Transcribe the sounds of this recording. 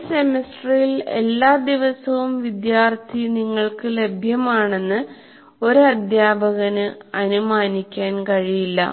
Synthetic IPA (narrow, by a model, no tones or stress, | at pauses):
semesʈrijile̞̰lːaːd̪iʋɐsɐʋumʋid̪jaːrt̪ʰiniŋːɐɭkɨle̞bʱjɐmaːɳe̞nːɨ | o̞ɾuɐd̪jaːbʱɐɣɐnɨɐnumaːnikʲːaːnkɐɻijilːɐ̰